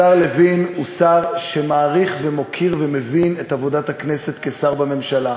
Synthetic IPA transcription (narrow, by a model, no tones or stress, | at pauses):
aʁlevinusaʁʃemaːʁiχvemo̞kʰiʁvemevinetavo̞dathaknese̞t̪kesaʁbame̞mʃala